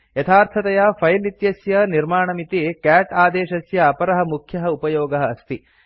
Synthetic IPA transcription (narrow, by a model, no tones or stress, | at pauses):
jɐt̪ʰaːɾt̪ʰɐt̪ɐjapʰɐjlit̪jɐsjɐniɾmaːɳɐmit̪ikæːʈaːd̪ɛːʃɐsjɐːpɐɾɐɦɐmukʰjɐɦɐupɐjɔːɡɐɦɐːst̪i